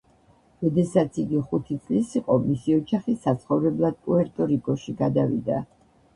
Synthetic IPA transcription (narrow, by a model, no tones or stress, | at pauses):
ɾɔd̪ɛsat̪sʰiɡiχut̪ʰit̪sʼlisiqʼɔmisiɔt͡ʃaχisːat̪sʰχɔvɾɛblˠad̪̥̚kʼuɛɾt̪ʼɔɾikʼɔʃiɡad̪avḭd̪a̰